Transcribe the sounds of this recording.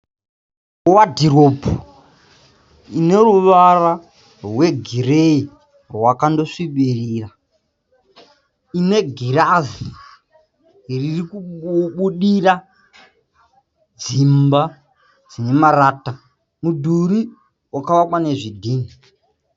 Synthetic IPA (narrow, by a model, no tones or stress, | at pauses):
wadʱirobʱu | ine̞ruʋara | rwe̞ɡʱirei | rwakando̞ʂiɓiriːra | ine̞ɡʱiɾazi | ɦiririkuɓuɗira | d͡zimba | d͡zine̞maɾaːta | mudʱuɾi | wakaʋakwane̞ʐidʱiːni